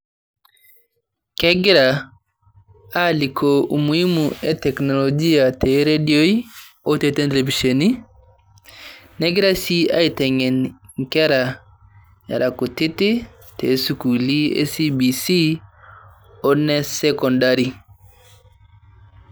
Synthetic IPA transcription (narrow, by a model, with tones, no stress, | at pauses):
kɛ˦ɡi˦ɾa˨ | a˦li˨kʰo˨u˨mu˨i˦muɛ˦tɛ˨kno˨lo˨d͡ʒi˦a˨tɛ˨ɾe˦dio˦i˦ | ɔ˦te˨te˦nte˨le˨vi˨ʃo˨ni˦ | nɛ˦ɡi˦ɾa˦si˦a̰˦i˦tɛ˨ŋɛ˨nŋkɛ˦ɾa˨ | ja̰˨ɾa˨ku˨ti˦ti˦ | te˨˦su˨ku˨li˦ḛ˦si˦bi˨si˦ | ɔ˦nɛ˦sɛ˦kɔ˨ndaɾi˨